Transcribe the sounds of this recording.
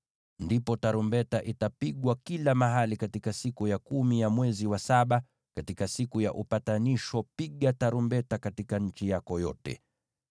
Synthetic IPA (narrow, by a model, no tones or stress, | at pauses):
ndipɔtaɾumbɛtaʔitapiɠwakilamaɦalikatikasikujakumijamwɛziwasaɓa | katikasikuja̰ʔupataniʃɔpiɠataɾumbɛtakatikaɲ̩t͡ʃijakɔjɔtɛ̰